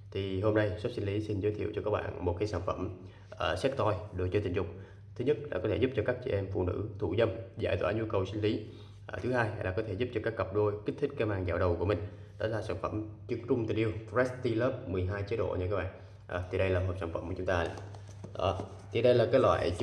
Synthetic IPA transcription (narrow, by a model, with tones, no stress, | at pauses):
t̪ʰi˨˩ho˧mna˧jswp̚si˧ŋ̟li˨˦si˧nzəː˨˦jt̪ʰi˧˨əwt͡ɕɔ˧kaː˦˥k̚ɓa̰ː˧˨nmo˨˩t̚kaː˨˦jsaː˧˩nfə˧˩m | ʔəː˨˩sɛ˦˥k̚t̪ɔ˧jɗo˨˧˦t͡ɕɔ˧t̪ï˨˩ŋ̟zʊ˨˩k͡p̚ | t̪ʰɨ˨˦ɲə˦˥t̚la̰ː˧kɔ˨˦t̪ʰe˧˩zu˦˥p̚t͡ɕɔ˧kaː˦˥k̚t͡ɕɛ̰˧˨ʔɛ˧mfṵ˧˨nɨ̰˧˥t̪ʰṵ˧˨zə˧mza̰ː˧˩jt̪wa̰ː˧˩ɲu˧kə˨˩wsï˧ŋ̟li˨˦ | ʔt̪ʰɨ˨˦haː˧ja˧˨jlaː˨˩kɔ˨˦t̪ʰe˧˩zu˦˥p̚t͡ɕɔ˧kaː˦˥kːə˨˩p̚ɗo˧jki˦˥k̚t̪ʰï˦˥k̟̚kaː˧˦maː˧˨˩ŋza̰ː˧˩wɗə˨˩wku˧˩əmi˨˩ŋ̟ | ɗɔ˨˦laː˨˩saː˧˩nfə˧˩mt͡ɕɨ˧˩ək̚t͡ɕʊ˧ŋ͡mt̪i˨˩nʔi˧əwfzɛ˦˥st̪i˧ləː˦˥p̚mɨ˨˩əjɦaː˧jt͡ɕi˨˦tɗo̰˧˨ɲɨ˧kaː˦k̚ɓa̰ː˧˨n | ʔəː˨˩t̪ʰi˨˩ɗə˧jlaː˨˩ɦə˨˩p̚saː˧˩nfə˧˩mku˧˩˨t͡ɕʊ˦ŋ͡mt̪aː˧ | ɗɔ̰˨˦ | t̪ʰi˨˩ɗə˧jlaː˨˩kaː˨˦jlwa̰ː˧˨j